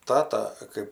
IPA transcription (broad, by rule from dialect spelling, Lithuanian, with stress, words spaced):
ˈtɑːtɐ kɜp